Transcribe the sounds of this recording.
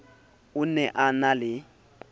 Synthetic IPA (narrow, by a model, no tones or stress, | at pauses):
ʊnɛʔanalɪ